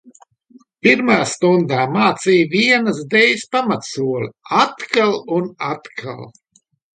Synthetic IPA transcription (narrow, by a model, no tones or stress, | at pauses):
piɾmajaːst̪und̪aːmaːt̪siːviɛnəsd̪ɛjspamat̪suɔlʲat̪kalˠunat̪kʰa̰lˠ